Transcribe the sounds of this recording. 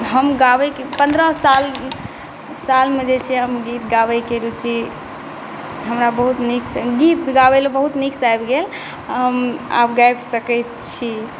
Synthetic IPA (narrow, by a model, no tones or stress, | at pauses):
ɦəmɡabəjkepənd̪ɾəsal | salmed͡ʒet͡ʃʰiɦəmɡit̪ɡawəjkeɾut͡ʃʰi | ɦəmɾabəɦut̪niksɡit̪ɡabəlebəɦut̪niksajbɡel | əma̰pɡajbsəkəjt̪ | t͡ʃʰi